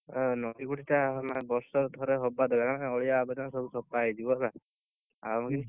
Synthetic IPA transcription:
nɔdikuʈʰitaɦmabɔɾsɔɾt̪ʰɔɾeɦɔbad̪ɔɡaamaɔɭijaːbɔd͡ʒɔnsɔbusɔpajd͡ʒ̪ibɔsa | a̰ki

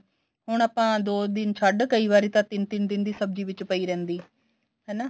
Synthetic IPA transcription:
ɦʊɳ̃aːpãːd̪oːd̪ɪnt͡ʃʰəɖkəiːʋaːɾiːt̪ãt̪ɪnt̪ɪnd̪ɪnd̪iːsəb̚d͡ʒiːʋɪt͡ʃpəiːɾɛ̃ːnd̪iː | ɦɛːna

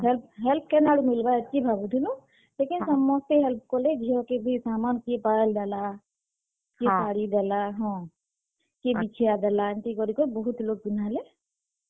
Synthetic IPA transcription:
ɦɛlp̚ɦɛlp̚ʰkenaɽumilbajətːʃibʱabud̪ʰʱilũ | lekinsɔmːɔst̪eɦɛlp̚ʰkɔled͡ʒʱiɔ̃kebʱisamankiepaəld̪ala | kesaɽid̪alaɦɔ̃ | kebit͡ʃʰijad̪ɛlant̪ikɔɾikobɔɦut̪lok̚binale

